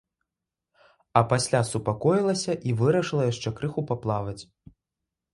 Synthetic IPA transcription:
ɐpasʲlʲasupakɔjilˠɐsʲɐʔivɨɾɐʂɨlˠɐjaʂt͡ʂɛkɾɨxupaplˠavɐt͡sʲ

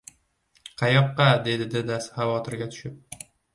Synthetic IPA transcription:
qʰɑjɒqːɑd̪e̞d̪ɪd̪ɪd̪asχɑvɒt̪ʰɪɾɡʲat̪ʰʊ̥ʃɪp̚

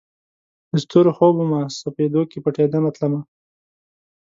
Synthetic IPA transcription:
ɪst̪uɾoxobumasoped̪okepəʈed̪amat̪lama

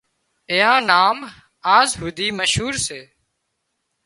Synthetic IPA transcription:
eːãːnaːm | aːzɦud̪iːməʃɦuːɾseː

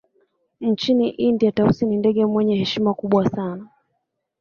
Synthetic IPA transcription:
n̩t͡ʃiniʔindiatausinindɛɠɛmwɛɲɛhɛʃimakuɓwasana

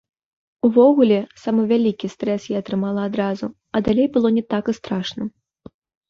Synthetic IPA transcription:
uvɔɣulʲɛsamɐvʲalʲikʲist̪ɾɛsjɛɐt̪ɾɨmalˠɐːd̪ɾazu | ɐd̪alʲejbɨlˠɔnʲɛt̪akɨst̪ɾaʂnɐ

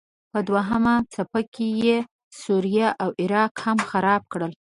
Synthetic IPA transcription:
pəd̪waɦamat͡sapakʰeje | suɾijaʔawɪɾɑqhamxaɾɑb̚kɽəl

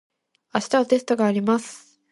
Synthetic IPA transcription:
aɕi̥t̪aβat̪e̞sɨ̥t̪o̞ɡaːɾʲimasɨ̥

